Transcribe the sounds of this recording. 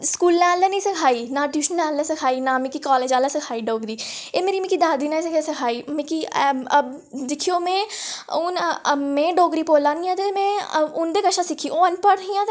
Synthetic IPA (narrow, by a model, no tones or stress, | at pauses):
skuːlnãːlːɛːnĩːsəkʰaːiːnaːɖiːʃənãːlːɛːsəkʰaːiːnaːmɪ̃kikɔːleːd͡ʒaːlɛːsɪkʰaːiːɖoːɡɾiːeːmeːɾiːmɪ̃kiːd̪aːd̪iːnãːsɪkʰesɪkʰaːiːmẽkiə | d̪ɪkʰːijoːmɛ̃ːʊnmẽːɖoːɡɾiːpoːlaːnĩːãːt̪emɛ̃ːʊnd̪eːkəʃaːsɪkʰːiːoːənpəɽɦĩãːt̪